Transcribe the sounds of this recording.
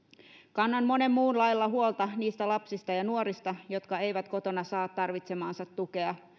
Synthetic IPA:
kɑnːɑnmo̞ne̞mːuːnlɑjlːɑɦuolt̪ɑniːst̪ælɑpsist̪ɑjɑnuoɾist̪ɑjo̞t̪kɑe̞jʋæt̪ko̞t̪o̞nɑsɑːt̪t̪ɑrʋit̪semɑːnsɑt̪ːuke̞ɑ

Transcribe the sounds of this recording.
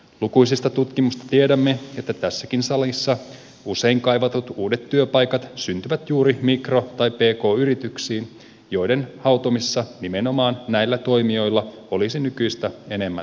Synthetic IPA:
lukujsist̪ɑt̪ut̪kimust̪ɑ̥t̪iedæmːeet̪ːæt̪æsːækinsɑlisːɑ | use̞iŋkɑjʋɑt̪ut̪uːde̞t̪ːyøpɑjkɑt̪synt̪yʋæt̪juːɾimikro̞t̪ɑjppe̞ːko̞ːyɾit̪yksiːn | jo̞ijde̞nhɑwt̪omisːɑnimeno̞mɑːnːæilːæt̪o̞imio̞jlːɑ | o̞lisinykyjst̪æe̞ne̞mːæ̰

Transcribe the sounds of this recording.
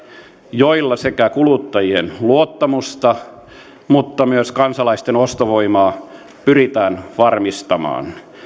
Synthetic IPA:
joilːɑsekækulut̪ːɑjienluot̪ːɑmust̪ɑ | mut̪ːɑmyøskɑnsɑlɑist̪enost̪oʋoimɑː | pyrit̪æːnʋɑrmist̪ɑmɑ̰ːn

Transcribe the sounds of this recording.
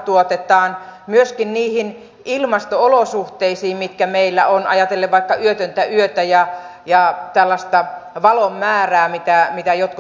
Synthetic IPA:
t̪uot̪et̪ɑːnmyøskinniːhin | ilmɑst̪oolosuht̪eisiːmmit̪kæmeilːæ̰onɑ̰jɑt̪elːeʋʋɑikːɑyøt̪ønt̪æyøt̪æjɑ | jɑt̪ælːɑst̪ɑʋɑlomːæːræːmit̪æmit̪æjot̪ku

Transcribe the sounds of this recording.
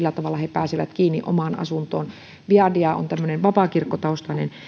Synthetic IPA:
lːæt̪ɑʋɑlːˑɑhepæːsiʋæt̪kiːnːiʔo̰mɑːnɑ̰sunt̪oːn | ʋiɑdiɑo̰nt̪æmːøneʋʋɑpɑˑkirkːot̪ɑost̪ɑnḛn

